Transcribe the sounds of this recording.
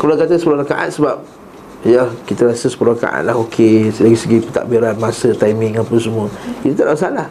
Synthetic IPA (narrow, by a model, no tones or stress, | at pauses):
kəbulakat̪əsəpulʊhlakaʔa̰t̪̚səbap̚ | jakit̪əɾasəsə̥pulʊhɾaka̰ʔa̰t̪̚laɦokʰelaɡisəɡipə̥t̪a̰ʔbiɾanmasət̪ajmɪŋapunsəmuəkit̪ut̪adaʔsalah